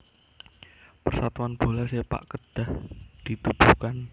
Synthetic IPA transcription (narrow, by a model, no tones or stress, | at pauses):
pərsat̪uanb̥o̤lasepa̰ʔkəd̪̥a̤hd̪̥i̤t̪ub̥ukan